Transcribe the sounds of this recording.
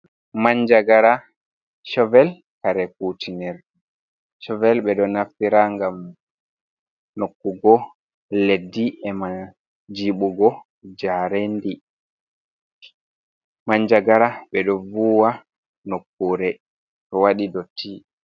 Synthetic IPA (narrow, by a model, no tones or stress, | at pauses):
maɲd͡ʒaɡaɾa | ʃɔvɛl | kaɾɛk̚utʰinɛɾ | ʃɔvɛlɓɛɗɔnafiɾaŋɡam | nokːuɡɔ | ledːiɛma | d͡ʒiɓuɡɔ | d͡ʒaɾendi | maɲd͡ʒaɡaɾaɓɛɗɔvuwa | nokːuɾɛ | tɔwaɗidɔtːi